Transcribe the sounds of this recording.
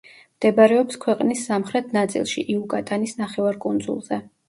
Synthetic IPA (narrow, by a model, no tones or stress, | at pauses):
md̪̥ɛbaɾɛɔpskʰwɛqʼnisːamχɾɛt̪ʰnat̪sʼḭlˠʃḭʔiukʼat̪ʼanisnaχɛvaɾkʼund̪zṵlˠzɛ